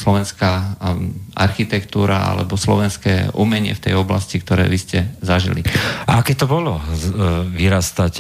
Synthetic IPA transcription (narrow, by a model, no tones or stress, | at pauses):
slɔʋɛnskaː | ʔa̰ɾxit̪ɛkt̪uːɾaa̰lɛ̰bɔslɔʋɛnskɛːʔumɛɲɪɛ̰ft̪ɛjɔblascik̚t̪ɔɾɛ̰ːʋiscɛzaʒḭlḭaakɛːt̪ɔbɔlɔ | ʋiɾast̪ac